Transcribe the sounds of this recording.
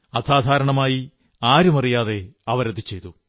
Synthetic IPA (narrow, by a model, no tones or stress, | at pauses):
ɐsaːd̪ʱaːɾɐɳɐmaːji | aːɾumɐrijaːðe̞ɐʋɐɾɐðit͡ɕe̞jt̪u